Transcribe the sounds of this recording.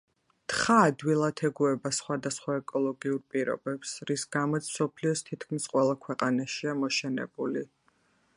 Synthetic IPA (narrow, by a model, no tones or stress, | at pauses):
t̪χaːd̪wilˠat̪ʰɛɡuɛbasχwad̪asχwaɛkʼɔlˠɔɡiuɾpʼiɾɔ̰bɛpsɾisɡ̥amɔt̪sʰm̥sɔpʰliɔst̪ʰit̪kʰmisqʼwɛlˠakʰwɛqʼanaʃiamɔʃɛnɛ̰b̥uli